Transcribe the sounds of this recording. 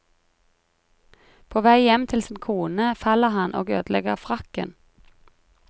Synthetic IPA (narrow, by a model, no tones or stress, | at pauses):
pʰoːʋæɪjɛmt̪ʰɪlsiːnkʰuːnəfɑləhɑnʔo̰ːɡø̰ːd̪l̩ɛɡəʁfʁɑkə̰n